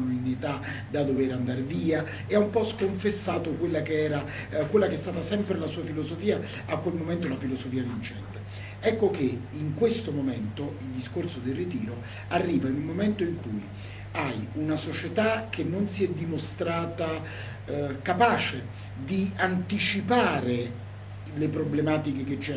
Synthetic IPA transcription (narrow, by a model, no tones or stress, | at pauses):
oinet̪a | d̪ad̪oveɾand̪aɾviːa | eaumpɔskoɱfesːaːt̪okwelːakeɛːɾa | kwelːakeɛst̪aːt̪asɛmpɾelasuːafilosofiːa | akwelmomɛnt̪olafilosofiːavint͡ʃɛ̰nt̪e | ɛkːokeiŋkwest̪omomɛnt̪oild̪iskorsod̪erːit̪iːɾo | arːiːvainulmoment̪oiŋkuj | ajunasot͡ʃet̪ak̟ʰːenːonsiɛd̪ːimost̪ɾaːt̪a | kapaːt͡ʃe | d̪iant̪it͡ʃipaːɾe | lepɾoblemaːt̪ikeket͡ʃːɛ